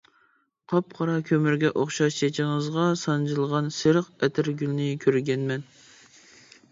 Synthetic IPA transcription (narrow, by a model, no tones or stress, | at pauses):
qʰɑp̚qʰɑɾɑkʲʰømyɾɡʲɛʔoχʃɑʃt͡ʃʰet͡ʃʰɪɴəzʁɑsɑnd͡ʒɨlˠʁɑnseɾəqɛt̪ʰɪɾɡʲylnɪkʲʰøɾɡʲɛnmɛn